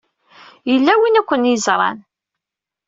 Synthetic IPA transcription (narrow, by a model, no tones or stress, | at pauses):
jəlːæwinækʷːənjəzɾˤɑ̰n